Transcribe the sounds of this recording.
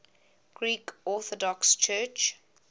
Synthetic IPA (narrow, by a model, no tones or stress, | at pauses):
ɡ̥ɹiːkɔθɔdɔkst͡ʃʰɜːt͡ʃ